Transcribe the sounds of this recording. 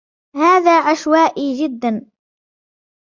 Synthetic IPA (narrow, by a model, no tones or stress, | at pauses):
haːðaːʕaʃwaːʔiːd͡ʒɪd̪ːan